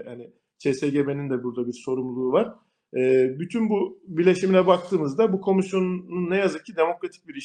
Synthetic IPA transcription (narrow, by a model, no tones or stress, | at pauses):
jani | t͡ʃʰeseɟe̞be̞nind̪ɛbuɾd̪abiɾso̞ɾumlˠuːvaɾ̥ | ɛːbyt̪ʰynbubiɾlʲe̞ʃimilʲɛbak̚t̪ʰɯːmɯzd̪abukʰo̞misjo̞nnunːɛjazɯk̚cʰid̪e̞mo̞kɾat̪ʰi̥c̚biɾiʃ